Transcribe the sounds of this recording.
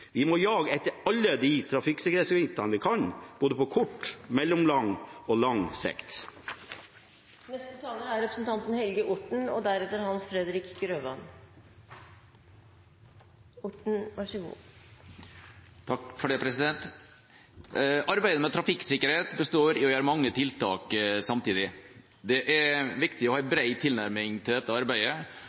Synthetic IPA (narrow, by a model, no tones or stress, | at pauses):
ʋɪmɔjɑːɡəɛt̪ːəɾɑlːəd̪it̪ʰɾɑfɪksɪkəɾheːt̪səɪt̪ɑnəʋɪkʰɑnb̥oːd̪əpɔkʰʊʈːmɛlːɔmlɑŋɔlɑŋsɛ̰kt̪ | nɛst̪ət̪ʰɑːləæɾɾɛpɾəsnt̪ʰɑnt̪nhɛlɡəʔʊʈɳ̩ɔ̰d̪æɾɛt̪ːəɾhɑnsfɾɛd̪ɾɪkɡɾøːʋɑn | ʊʈɳ̩ʋæʂəɡṵː | t̪ʰɑkfɔɖɛpʰɾɛsɪd̪ɛnt̪ | ʔɑɾbæɪd̪əmɛt̪ʰɾɑfɪksɪkːəɾheːt̪bəst̪oːɾɪɔjøːɾəmɑŋːət̪ʰɪlt̪ʰɑ̰ːksɑmt̪ʰiːd̪ɪ | d̪ɛʔæɾʋɪkt̪ɪɔhɑːbɾæɪt̪ʰɪlnæɾmɪŋt̪ʰɪld̪ɛt̪ːəɑɾbæɪə